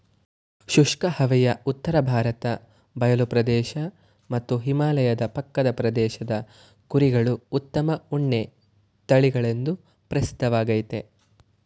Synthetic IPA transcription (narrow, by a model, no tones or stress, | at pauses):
ʃuʂkɐhɐʋɛjɐut̪ːɐɾɐbʱaːɾɐt̪ɐ | bɐjɐlupɾɐd̪ɛːʃɐ | mɐt̪ːuɦimaːlɐjɐd̪ɐpɐkːɐd̪ɐpɾɐd̪ɛːʃɐd̪ɐ | kuɾiɡɐɭuːt̪ːɐmɐuɳːe | t̪ɐɭiɡɐɭe̞nd̪u | pɾɐsi̥d̪ʱːɐʋaːɡɐjt̪e̞